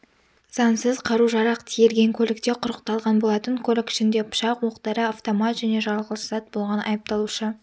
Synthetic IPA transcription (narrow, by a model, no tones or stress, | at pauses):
z̥ɑnsəzqʰɑɾuʒɑɾɑqt̪ʰijeɾɡʲe̞ŋkʲʰɵlʲɪk̚t̪e̞qʰʊɾəq̚t̪ɑlˠʁɑnbo̞lˠɑt̪əŋkʲʰolʲɪkʏ̥ʃɪnd̪e̞pʰʊ̥ʃɑqwo̞qt̪ɑɾəaft̪o̞mɑt̪ʒ̥æne̞ʒɑlˠʁəlˠəsz̥ɑt̪̚bo̞lˠʁɑnɑ̰jəp̚t̪ɑlˠuʃə